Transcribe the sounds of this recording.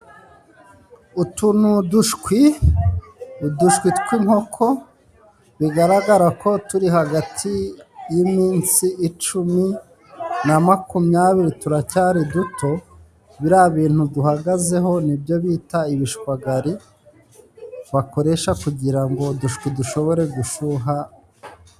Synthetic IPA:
utunuduʃkwi | duʃkwitkwiŋho̞kʰo̞ | βiɡaɾaɡaɾako̞tuɾiɦaɡatʰijimiːnsiʔːt͡ʃumi | namakumjaβiɾituɾacaːɾidutʰo̞ | βiɾaβiːn̥huduhaɡaze̞ɦo̞nibjo̞βiːtaiβiʃkwaɡaɾi | βako̞ɾe̞ʃakuɟiɾaŋɡo̞duʃkwiduʃo̞βo̞ɾe̞ɡuʃuɦa

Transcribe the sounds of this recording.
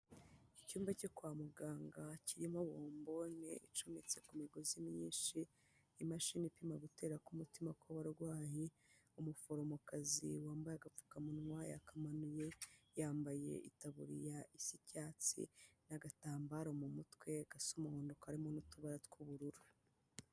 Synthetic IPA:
icuːmvacokwaːmuɡaːŋɡaciɾimoβoːmbo̞ne̞̰ʔit͡ʃunet͡se̞kumiɡo̞zimɲiːnʃi | imaʃinipimaɡute̞ːɾakumutimakwaβaɾɡwaːhe | umufo̞ɾo̞mokazḭwaːmbajaɡap͡fu̥kamunŋwaja̰kamanuje̞jaːmbaje̞̰ʔitaβuɾḭjaʔisicaːt͡sḭnaɡataːmbaɾomumutwe̞ɡ̥asumahoːndo̞kaɾimonutuβaɾatkuβuɾuɾu

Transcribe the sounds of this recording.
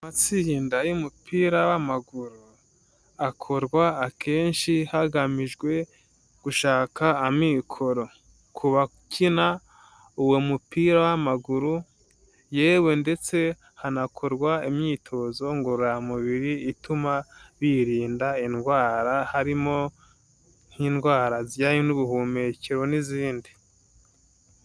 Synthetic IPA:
amat͡siindajumupʰiːɾawamaɡuɾu | akʰo̞ɾɡwaːkʰe̞ːnʃihaɡamiʒɡwe̞ | ɡ̥uʃaːkaːmikʰo̞ɾo̞ | kʰuβa | kʰina | uwemupiːɾawamaɡuɾu | je̞ːwe̞nde̞t͡se̞ | hanakʰoɾɡwaimɲiːtʰo̞zo̞ŋɡoɾɾamuβiɾiːtumaβiɾiːndainɡwaːɾahaɾimo̞ | n̥hinɡwaːɾazɟajinuβuɦume̞ceɾo̞niziːndi

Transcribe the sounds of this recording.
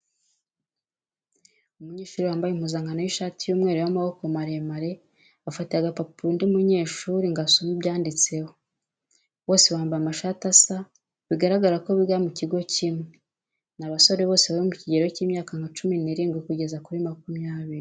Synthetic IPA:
umuɲe̞ːʃuːɾiwaːmbajim̥uzaŋɡanojiʃatijuːmŋe̞ːɾewamaβo̞ko̞maɾemaɾe̞ | afatiaɡapapundiumuɲe̞ːʃuɾiŋɡasomubɟaːndit͡se̞ho̞ | wo̞ːse̞waːmbaamaʃatasa | βiɡaɾaɡaɾako̞βiɡamuciɡo̞cimŋe | naβaso̞ɾe̞βo̞ːseβaɾimuciɟe̞ɾo̞ciːmɲaːkaŋat͡ʃuminiɾiːŋɡwikuɟe̞zakuɾimakumjaːβiɾi

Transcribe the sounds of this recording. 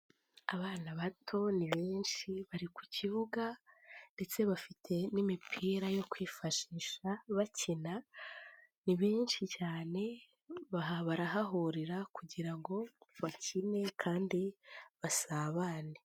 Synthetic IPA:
aβaːnaβatʰo̞niβiːnʃiβaɾiku̥ciβuɡande̞t͡se̞βafitʰe̞nimipʰiːɾajo̞kwiːfaʃiːʃaβacʰina | niβiːnʃicaːne̞ | βaɦaβaɾaɦaɦoɾiɾakuɟiɾaŋɡo̞βacʰine̞kʰaːndiβasaːβaːne

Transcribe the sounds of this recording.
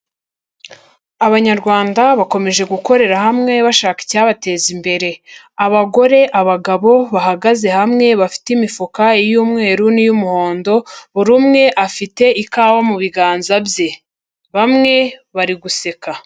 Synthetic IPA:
aβaɲaɾɡwaːndaβako̞me̞ʒe̞ɡuko̞ɾe̞ɾahamŋe̞βaʃaːki̥caːβate̞ːzimbe̞ɾe̞ | aβaɡo̞ɾe̞ʔaβaɡaβo̞βaɦaɡaze̞hamŋe̞βafi̥timifukaijuːmŋe̞ːɾunijumuho̞ːndo̞βuɾumŋe̞ʔafite̞ikaːwomuβiɡaːnzabje | βamŋe̞βaɾiɡuse̞ka

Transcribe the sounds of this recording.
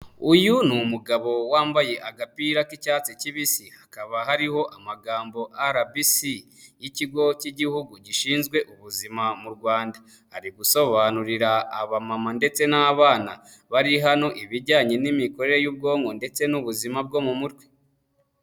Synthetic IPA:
ujunumuɡaβo̞waːmbaje̞ʔaɡapiɾakicaːt͡siciβisihakaβaɦaɾiho̞ʔamaɡaːmbo̞ʔaɾabisi | jiciɡo̞ciɟihuɡuɟiʃiːnzɡwe̞ʔuβuzimamuɾɡwaːnda | haɾiɡuso̞βanuɾiɾaa̰βamamande̞t͡se̞naːβaːna̰ | βaɾiɦano̞ʔiβiɾɟaːɲe̞nimiko̞ɾe̞ɾejuːb̚ɡo̞ːŋɡo̞nde̞t͡se̞nuβuzimab̚ɡo̞mumutɡwe̥

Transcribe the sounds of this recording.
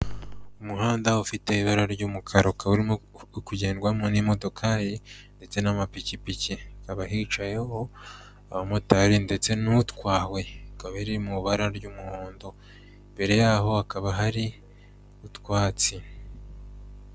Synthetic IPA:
umuɦaːndaufite̞iβaɾaɾɟuːmukʰaɾokʰauɾimo | kuɟeːnɡwamŋonimo̞do̞kʰajinde̞t͡se̞namapicipicikaβaɦit͡ʃajeho̞ | aβamotaɾinde̞t͡se̞nutkwaːwe̞kaβaɾiɾimuɾuβaɾaɾɟuːmuhoːndo | mbe̞ɾe̞jaɦo̞akaβaɦaɾi | utwaːt͡si

